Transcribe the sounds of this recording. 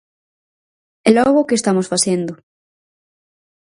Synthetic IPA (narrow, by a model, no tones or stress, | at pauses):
ɛlɔɣ̞okest̪amosfasend̪ʊ